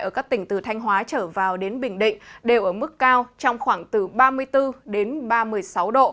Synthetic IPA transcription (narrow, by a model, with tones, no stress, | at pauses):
ʔəː˧˩kaː˦˥k̚t̪ï˧˩ŋ̟t̪ɨ˨˩t̪ʰa˧jŋ̟ɦwaː˨˦t͡ɕəː˧˩vaː˨˩wɗe˨˦nɓï˨˩ŋ̟ɗḭ˧˨ŋ̟ɗe˨˩wʔəː˧˩mɨ˦˥kːaː˧wt͡ɕɔ˧wŋ͡mxwaː˧˩ŋt̪ɨ˨˩ɓaː˧mɨ˧əjt̪ɨ˧ɗe˨˦nɓaː˧mɨ˧əjsa˨˦wɗo̰˧˨